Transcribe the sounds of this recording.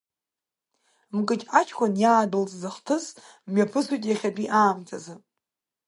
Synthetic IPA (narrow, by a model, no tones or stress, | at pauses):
mkʼɨt͡ʃʼat͡ʃʰkʷʰanjaːdɨlt͡sʼzaχtʰɨs | mɥapʰɨsʷitʼjaχʲadʼiʔaːmtʰazɨ